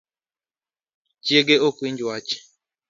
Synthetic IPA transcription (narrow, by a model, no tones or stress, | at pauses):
t͡ʃjeɡeokwind͡ʒwat͡ʃe̥